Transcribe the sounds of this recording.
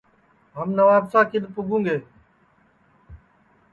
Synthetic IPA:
ɦəmnəʋaːbsaːkɪd̪pʊɡũːŋɡeː

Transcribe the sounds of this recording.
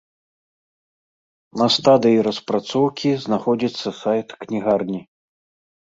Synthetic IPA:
nɐst̪ad̪ɨjiɾɐspɾat̪sɔwkʲiznaxɔd͡zʲit̪sːɐsajt̪knʲiɣarnʲi

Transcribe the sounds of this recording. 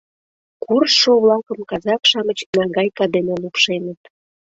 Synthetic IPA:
kʰurʃoβlɑkəmkɑzɑkʃɑmət͡ɕnɑɡɑjkɑd̪enelupʃenət̪

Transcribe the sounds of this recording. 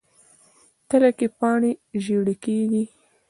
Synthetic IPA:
t̪əlakepɑɳeʒeɽikeɡi

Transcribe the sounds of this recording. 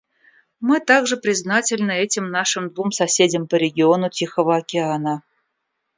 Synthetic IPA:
mɨt̪aɡʐɨpɾʲɪznatʲɪlʲnəɛtʲɪmnaʂɨmd̪vumsɐsʲedʲəmpəɾʲɪɡʲɪonʊtʲixəvəɐkʲɪanə

